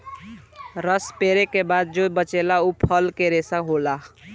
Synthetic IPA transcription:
ɾəspeːɾekebaːd̪̚d͡ʒobət͡ʃelaupʰəlkeɾesaɦola

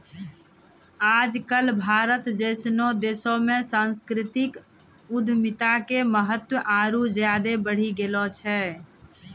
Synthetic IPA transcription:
ad͡ʒkəlbʱaɾət̪d͡ʒəɪsnod̪esomesãnskɾit̪ik | ud̪ʱmit̪akeməɦət̪wəʔaɾud͡ʒjad̪ebəɽ̤iɡelɔt͡ʃʰɛ

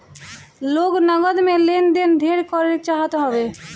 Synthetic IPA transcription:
loːɡnəɡəd̪melend̪end̪ʱeɾkɔɾet͡ʃaːɦət̪ɦɔbe

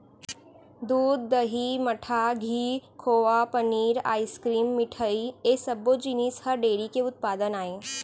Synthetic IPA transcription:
d̪uːd̪ːəɦiməʈʰaɡʱiːkʰoʋapəniːɾa̰ːjskɾiːmːiʈʰəiesəbod͡ʒinishəɾɖeɾikeut̪̚pad̪ənaːe

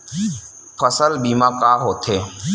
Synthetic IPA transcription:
pʰəsəlbiːmãːkaːɦoːt̪ʰɦeː

